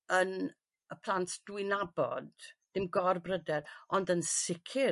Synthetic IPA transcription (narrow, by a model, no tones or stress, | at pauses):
ən | əpʰlˠantd̥wɪnabɔ̰dd̥ɪmɡɔrbrədɛɾɔndənsɪkʰɪ